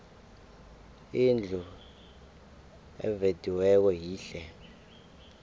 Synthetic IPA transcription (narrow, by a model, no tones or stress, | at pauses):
ind͡ɮʱu | ɛ̰vedʱiwɛk̬ɔɦiːɬɛ